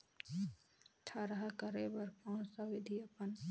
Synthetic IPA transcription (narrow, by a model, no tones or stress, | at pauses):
ʈʰaɾɐɦakəɾebəɾkɔ̃ːnsɐwɪd̪ʱiɐpən